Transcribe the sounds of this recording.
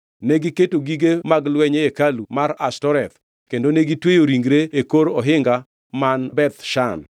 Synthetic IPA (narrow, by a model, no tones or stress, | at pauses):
neɡiketoɡiɡemaɡlwɛɲeekalumaɾastɔɾɛt̪̚ | kendoneɡitwejoɾiŋɡɾeekoɾɔɦɪŋɡa | manbɛt̪ʃan